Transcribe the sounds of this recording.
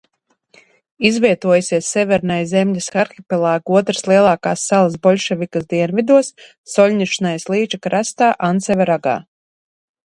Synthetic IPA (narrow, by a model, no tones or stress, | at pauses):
izvʲiɛt̪uɔjasʲiɛsːɛvʲɛɾnajzɛmʲlʲasxaɾxʲipɛlˠaːɡuɔt̪ɾəslˠiɛlˠaːkaːsːalˠas̬bɔlʲʃɛvʲikasd̪iɛnvid̪uɔsː | ɔlʲniʃinajslˠiːt͡ʃakɾast̪aːʔansɛvɛɾaɡa̰ː